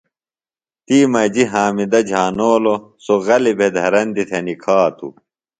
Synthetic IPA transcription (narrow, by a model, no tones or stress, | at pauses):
t̪iːmɐd͡ʑiɦaːmid̪ɐd͡ʑʱaːnoːlosoɣɐlibʱed̪ʱɐɾɐnd̪it̪ʰɐnikʰaːt̪ʰṵ